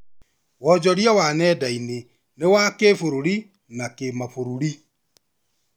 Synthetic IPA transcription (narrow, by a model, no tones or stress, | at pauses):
wɔd͡ʒɔɾjawanɛdaine | newakefoɾoɾi | nakemafoɾuɾi